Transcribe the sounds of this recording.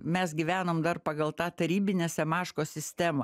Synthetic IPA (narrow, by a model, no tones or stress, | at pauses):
mʲɛsɡʲɪʋʲæːnoːmd̪ɐrpɑɡɐlˠt̪ɑːt̪ɐɾʲiːbʲɪnʲeːsʲɛmɑːʃkoːsʲɪsʲt̪ʲæːmɐ